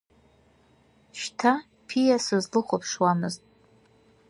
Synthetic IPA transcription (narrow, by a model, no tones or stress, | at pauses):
ʃtʰa | pʰijasɨzlɨχʷopʰʂwamɨztʼ